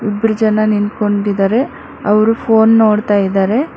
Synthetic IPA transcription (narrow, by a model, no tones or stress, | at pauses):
ibːɾud͡ʒɐnɐnint̪ko̞ɳɖid̪aːɾe̞ | ɐʋɐɾupʰoːnːo̞ːɽt̪aːjid̪aːɾe̞